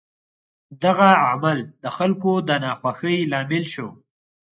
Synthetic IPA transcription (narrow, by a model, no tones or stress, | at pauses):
d̪aɣaamald̪əxalkod̪ənɑxwaxəjlɑmɪlʃo